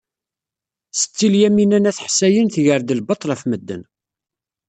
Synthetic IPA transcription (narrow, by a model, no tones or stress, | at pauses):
sə̥t͡sːiljæminænæθħsæjənθʝəɾd̪əlbət̪ˤːlæfməd̪ːə̰n